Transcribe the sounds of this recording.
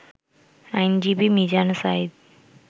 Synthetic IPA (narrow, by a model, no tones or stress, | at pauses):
ajnd͡ʑibimid͡ʑansaid̪